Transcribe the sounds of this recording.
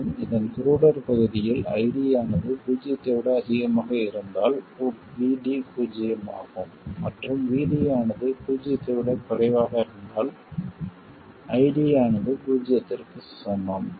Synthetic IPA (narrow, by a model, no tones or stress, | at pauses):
mɪðɐnkʊɾuːɽɐɾpɐɣɯðɪjɪlɐ̰ɪɽɪjaːnɐðɯbuːd͡ʒɪjɐt̪ːɛʋɪɽɐɐðɪɣɐmaːɣɐɪɾɯnd̪aːlɔɾ | ʋiːɽipuːd͡ʒɪjɐma̰ːɣɯmːɐʈrɯmʋiːɽijaːnɐðɯpuːd͡ʒɪjɐt̪ːɛʋɪɽɐpɐrɐɪʋaːɣɐɪɾɯnd̪aːl | ʔɐɪɽɪjaːnɐðɯpuːd͡ʒɪjɐt̪ːɪrkɯsɔnːɐm